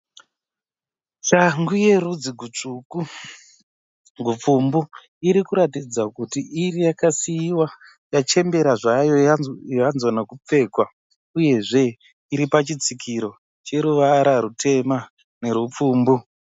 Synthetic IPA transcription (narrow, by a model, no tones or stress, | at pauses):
t͡ʃaŋɡuje̞ɾud͡ziɡʱut͡ʂuku | ɡʱup͡fumbu | iɾikuɾatid͡zakutiirijakasiːwa | jat͡ʃe̞mbe̞ɾaʐajo̞ajanzonakup͡fe̞ːkwa | uje̞ʐe̞ | iɾipat͡ʃit͡sikʰiɾo̞ | t͡ʃe̞ɾuʋaɾaɾutʰe̞ma | ne̞ɾup͡fuːmbu